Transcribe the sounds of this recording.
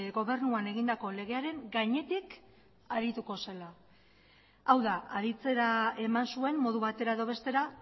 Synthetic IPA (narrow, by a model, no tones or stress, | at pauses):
ɡo̞βe̞ɾnuane̞ɣind̪ako̞le̞ɣ̞e̞aɾe̞ŋɡaɲe̞t̪ik | aɾit̪uko̞se̞la | awðaaɾit͡se̞ɾae̞mansue̞mmo̞ð̞uβat̪e̞ɾaeðo̞β̞e̞st̪e̞ɾa